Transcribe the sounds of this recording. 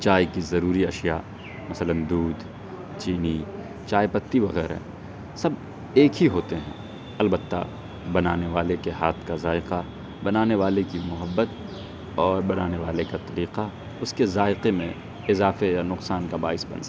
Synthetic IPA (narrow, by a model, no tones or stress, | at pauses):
t͡ʃaːjkizɐɾuːɾiɐʃja | mɐsələnd̪uːd̪ | t͡ʃiːni | t͡ʃaːjpɐt̪ːiʋɐɣɛːɾɦɛ̰ | sɐb | eːkɦiɦoːt̪eɦɛ̰̃ː | ɐlbət̪ːa̰ | bɐnaːneʋaːlekeɦaːt̪ʰkazaːɪqa | bɐnaːneʋaːlekimʊɦəbːət̪ | ɔːɾbɐnaːneʋaːlekat̪ɐɾiːqa | ʊskezaːɪqemẽ | ɪzaːfejanʊqsaːnkaba̰ːɪsbɐ̰ns